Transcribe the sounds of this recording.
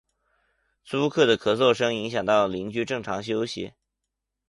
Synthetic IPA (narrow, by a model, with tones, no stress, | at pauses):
t͡su˥kʰɤ˥˩d̪ə˩kʰɤ˨˩t͡swɔ˥˩ʂɤ˥ŋi˧˥ŋɕjɑ˨˩ŋt̪ɑ˥˩ʊli˧˥ŋt͡ɕy˥ʈ͡ʂɤ˥˩ŋʈ͡ʂʰɑ˧˥ŋɕ̬jo˥ʊɕḭ˧˥